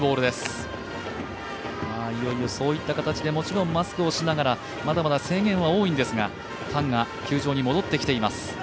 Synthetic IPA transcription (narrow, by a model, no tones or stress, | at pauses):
bo̞ːɾɯ̟d̪e̞sɨ̥ | aːijo̞iɯso̞ːit̪ːakat̪at͡ɕid̪e̞mo̞t͡ɕiɾõ̞mːasɨ̥kɯo̞ɕinaɡaɾa | mad̪amad̪ase̞ːŋɡẽ̞ɰ̃βao̞ːĩnd̪e̞sɨɡa | t̪ʰãŋɡakʲɨːʑo̞ːɲ̟imo̞d̪o̞t̪ːe̞kʲi̥t̪e̞imasɨ̥